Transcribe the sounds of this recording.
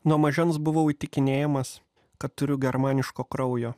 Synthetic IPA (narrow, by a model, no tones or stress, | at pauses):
nuɔmɐʒʲɛnsbʊʋoit̪ʲɪkʲɪnʲeːjɛmɐs | kɐt̪t̪ːʊɾʲʊɡʲɛɾmɑːnʲɪʃkoːkɾɐʊjoː